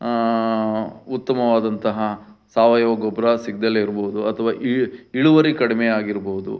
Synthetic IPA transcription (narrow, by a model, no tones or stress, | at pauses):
ut̪ːɐmɐʋaːd̪ɐnt̪ɐɦɐsaːʋɐjoːɡobɾɐsiɡ̚d̪ɐlːeiɾboːud̪uɐt̪ʰɐʋaːʔiiɭuʋɐɾikɐɽimejaːɡiɾboːud̪ṵ